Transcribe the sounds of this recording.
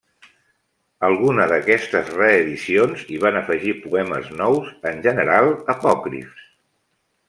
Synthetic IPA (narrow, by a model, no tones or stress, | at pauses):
əlˠɣunəðəkɛst̪əzrəːðisionziβ̞anəfəʒipuɛmə̰znɔwzənʲʒənəɾalˠəpɔkɾḭfs